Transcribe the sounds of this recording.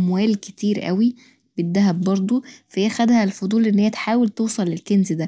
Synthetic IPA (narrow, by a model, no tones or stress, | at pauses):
mwæːlket̪iːɾʔæ̰wi | b̥ed̪ːæɦæbːɑɾˤd̪ˤofæeæxæd̪hælfod̪ˤuːlʔenːheihæt̪ħaːwelt̪ewsˤɑlːelkenzd̪æ